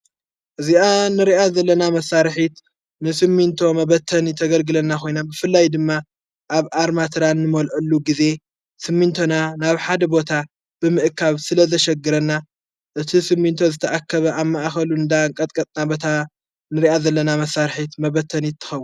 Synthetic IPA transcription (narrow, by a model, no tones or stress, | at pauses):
ʔɨzianɨɾiʔazɐlːɐnamɐsːaɾħit̪ | nɨsɨmːint̪ʰo̞mɐβɐt̪ʰːɐnit̪ʰɐɡɐlɡɨlɐnːakʰo̞jnambɨfɨlːajd̪ɨmːa | ʔaβaɾmat̪ʰɨɾanːɨmɐlʔɐlːuɡize̞ | sɨmːint̪ʰonanaβħad̪ɐbo̞t̪ʰa | b̥ɨmɨʔɨkʰaβsɨlɐzɐʃɛɡɨɾɐnːa | ʔɨt̪ʰisɨmːint̪ʰo̞zɨt̪ʰɐʔakʰːɐβɐʔamːaʔxɐluɨnd̪aŋkʼɐt̪ʼkʼɐt̪ʼnabɐt̪ʰa | nɨɾiʔazɐlːɐnamɐsːaɾħit̪mɐβɐt̪ʰːɐnit̪ʰːɨ̥xɐwːu